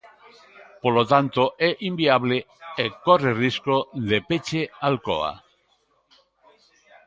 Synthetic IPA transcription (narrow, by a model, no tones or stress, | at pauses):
polot̪ant̪oʔeʔimbiaβle | ekoreriskoðepet͡ʃealko̰a̰